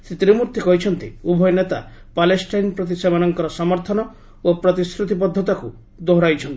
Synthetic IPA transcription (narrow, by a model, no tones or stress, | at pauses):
set̪ɾimuɾt̪ʰikɔɦit͡ʃʰɔnt̪ḭubʱɔjɔnet̪a | palesʈajnpɾɔt̪̬isebanɔŋkɔɾɔsɔmɔɾt̪ʰɔnɔ | opɾɔt̪iskɾut̪ipɔd̪ʱːɔt̪aku | d̪oɦɽajt͡ʃʰɔnt̪i